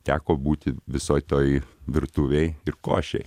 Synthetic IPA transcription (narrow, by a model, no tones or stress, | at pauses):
t̪ʲæːkoːbuːt̪ʲɪʋʲɪsoːɪt̪oːjʋʲɪɾt̪uːʋʲeɪɪɾko̰ːʃʲɛ̰ɪ